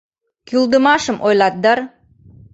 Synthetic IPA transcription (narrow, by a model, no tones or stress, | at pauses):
kʲylˠd̪ə̆mɑʃəmʔojlˠɑt̪̚d̪ɑɾ